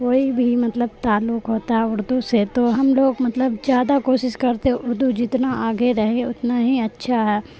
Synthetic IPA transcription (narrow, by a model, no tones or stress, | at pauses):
koːibʱimɐt̪ləb̚t̪aːlːʊkɦoːt̪aɦɛʊɽd̪oset̪oɦɐmloːɡmɐt̪ləbzjaːd̪akoːʃɪʃkɐɾt̪ẽʊɾd̪ud͡ʒɪt̪naʔaːɡeɾɐɦeʊt̪naɦiɐtːʃʰaɦɛː